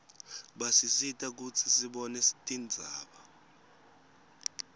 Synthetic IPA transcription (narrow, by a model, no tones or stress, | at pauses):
ɓasisitʼak̬ut͡sʰisiɓɔnɛsi̥tʼind͡zʱaːɓa